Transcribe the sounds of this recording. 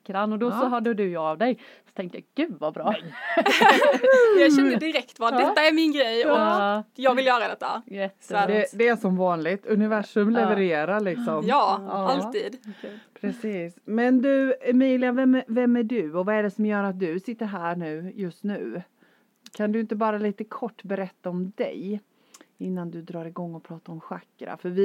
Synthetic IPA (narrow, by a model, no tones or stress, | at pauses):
kːɾanɔd̪ɔsɔɦaɖɵd̪ɵjɑavd̪ɛj | sɔ̥t̪ʰɛŋkt̪əjɑːɡ̥ʉ̟ːd̪vabɾɑː | jɑɛnəd̪ɪɾɛkt̪vɑɛt̪ːaæɾmɪnɡɾɛjɔjɑːɡvɪljœːɾad̪ɛt̪ːa̰jɛt̪ːæd̪ɛd̪ɛæʂɔmvɑːnlɪɡt̪ʰɵnɪvæʂɵmlɛvəɾeːɾaɭɪksɔmjɑːalt̪iːd̪pʰɾɛsiːsmɛnd̪ɵɛmiːlɪjavɛmvɛmːæɖʉɔvaɛɖɛsɔmjœːɾat̪̚d̪ɵsɪt̪ːəɾɦæːɳʉ̟ːjɵst̪nʉ̟ː | kʰand̪ɵɪnt̪əbɑːɾaliːt̪əkʰɔʈːbɛɾɛt̪ːaɔmd̪ɛ̰j | ɪnːand̪ɵd̪ɾɑːɾɪɡɔŋːɔpʰɾɑːt̪aɾɔmɧakːɾa̰fœɾvɪ